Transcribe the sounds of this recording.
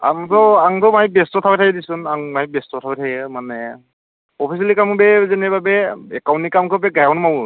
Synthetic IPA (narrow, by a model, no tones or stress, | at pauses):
a̰ŋtɔaŋtɔmajbɛstɔtʰabatʰakɛdisunaŋmajbɛstɔtʰabatʰakɛmanɛ | ɔpʰis̬alikamubɛzɛnɛbabɛɛkawntikamkʰɔbɛɡajawnmabu